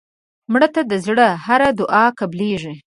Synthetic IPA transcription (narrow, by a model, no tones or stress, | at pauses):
mɽət̪ad̪əzɽəhaɾad̪ʊʔɑkableʐi